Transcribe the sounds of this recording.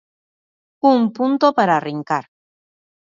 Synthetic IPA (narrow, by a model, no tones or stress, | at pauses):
umpunt̪opaɾariŋkaɾ